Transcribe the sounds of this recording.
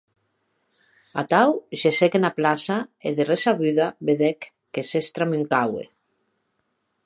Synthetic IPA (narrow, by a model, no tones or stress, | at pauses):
a̰t̪awʃesekenaplasaeðeresaβyðaβeðekː | esest̪ɾamyŋkawḛ